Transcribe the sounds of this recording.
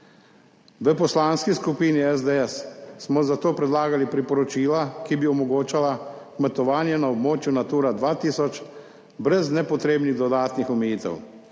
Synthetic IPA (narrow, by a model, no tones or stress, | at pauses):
ʋəpɔslaːnskiskupiːniɛzd̪ɛɛsːmɔzat̪oːpɾɛd̪laːɡalipɾipɔɾɔt͡ʃiːlakibiɔmɔɡoːt͡ʃala | kmɛt̪ɔʋaːnjɛnaɔbmoːt͡ʃjunat̪uːɾad̪ʋaːt̪iːsɔt͡ʃ | bɾɛznɛpɔt̪ɾeːbniɣd̪ɔd̪aːt̪nixɔmɛjiːt̪ɛ̰w